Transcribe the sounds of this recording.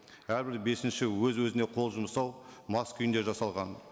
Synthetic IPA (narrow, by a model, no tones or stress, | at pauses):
æɾbɪɾbe̞sɪnʃɪwɵzwɵzɪne̞qʰo̞lˠʒʊməsɑwmɑskʰʏjɪnd̪e̞ɾʒɑsɑlˠʁɑn